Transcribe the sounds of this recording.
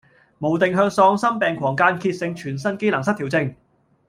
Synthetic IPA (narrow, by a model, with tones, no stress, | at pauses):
mo˨˩wt̪ɪ˨ŋɦœː˧ŋsɔː˧ŋsɐ˥mpɛː˨ŋkʰwɔː˨˩ŋkaː˧nkʰiː˧t̚sɪ˧ŋt͡ʃʰyː˨˩nsɐ˥nke˥jlɐ˨˩ŋs̬ɐ˥t̪̚ʰiː˨˩wt͡sɪ˧ŋ